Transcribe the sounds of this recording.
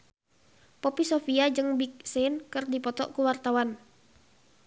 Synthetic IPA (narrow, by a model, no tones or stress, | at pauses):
pɔpisofiad͡ʒɨŋbik̚senkɨrdipɔt̪ɔ̰ʔkuwart̪awan